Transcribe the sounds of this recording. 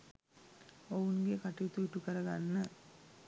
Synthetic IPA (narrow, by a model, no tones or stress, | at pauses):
owunɡekaʈit̪uiʈːukəɾɐɡanːə